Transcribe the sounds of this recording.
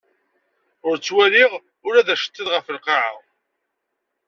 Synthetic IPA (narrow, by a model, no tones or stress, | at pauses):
ʊɾt͡sːwæliʁ | ʊɾæðæʃə̥t͡s̪ːiðʁəfəlqɑʕəʁ